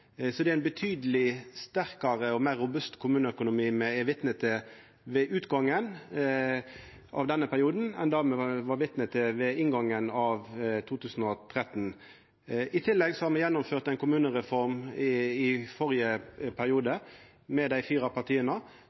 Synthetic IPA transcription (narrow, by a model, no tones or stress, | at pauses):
sɔd̪ɛæɪnbət̪ʰyːd̪əlɪst̪æɾkɑɾəɔmæːʁːʊbʉst̪kʰʊmʉːnəœkʊnʊmiːmɛɛʋɪt̪nət̪ʰə | ʋɛʔʉːt̪ɡɑŋːən | ʔɑ̰ʋd̪ɛnːəpʰæɾɪuːd̪n̩ɛnd̪ɑɾmɛʋɑɾʋɪt̪nət̪ʰəʋɛɪnɡɑŋːənɑʋt̪ʰuːt̪ʰʉːsn̩ɔt̪ʰɾɛt̪n | ʔɪt̪ʰɪlːɛɡsɔhɑːɾmɛjɛnːʊmføːʁt̪æɪnkʰʊmʉːnəʁɛfɔɾmɪfɔɾɪəpʰæɾɪuːd̪ə | mɛd̪æɪfiːɾɑpʰɑʁt̪ʰiːənə